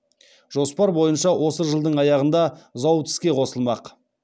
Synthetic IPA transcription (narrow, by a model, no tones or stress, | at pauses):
ʒ̥o̞spɑɾbo̞jənʃɑwo̞səʒəlˠd̪əɴɑjɑʁənd̪ɑzɑwt̪ʰɪ̥skʲe̞qʰo̞səlˠmɑq